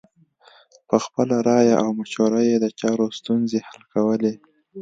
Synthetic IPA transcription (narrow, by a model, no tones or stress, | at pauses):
pəxpəlaɾɑjaʔawmaʃoɾajed̪ət͡ʃɑɾost̪unzehalkawəle